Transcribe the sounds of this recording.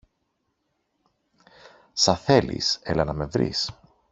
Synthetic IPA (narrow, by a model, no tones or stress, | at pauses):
sɐθe̞lḭsḛlɐnɐme̞vɾḭs